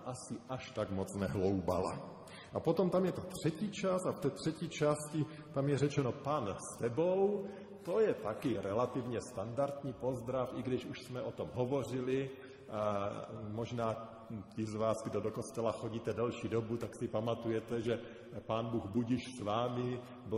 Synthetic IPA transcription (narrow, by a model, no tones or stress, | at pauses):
ʔasɪʔaʃt̪aɡmot͡snɛɦlowba̰la̰ | ʔapo̞t̪omt̪amjɛt̪ot̪r̝̥ɛciːt͡ʃasaft̪ɛːt̪r̝̥ɛciːt͡ʃascɪ | t̪amjɛrɛt͡ʃɛno̞panst̪ɛbow | t̪o̞jɛt̪akɪɾɛlat̪ɪvɲɛst̪andaɾt̪ɲiːpo̞zd̪ɾafʔɪɡdɪʃuʃsmɛʔot̪o̞mɦovo̞r̝ɪlɪ | mo̞ʒnaː | cɪzvaːsɡdodoko̞st̪ɛlaxo̞ɟiːt̪ɛdɛlʃiːdo̞but̪aksɪpamat̪ujɛt̪ɛʒɛ | paːnbuːɣbuɟiʃsvaːmɪ | b